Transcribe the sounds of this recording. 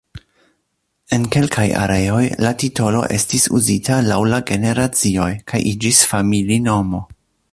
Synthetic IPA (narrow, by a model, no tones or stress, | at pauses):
e̞nke̞lkʰaja̰ɾe̞o̞jlatito̞lo̞̰ʔe̞stisṵzitalawlaɡe̞ne̞ɾat͡sio̞jkʰajʔid͡ʒisfamilino̞mo̞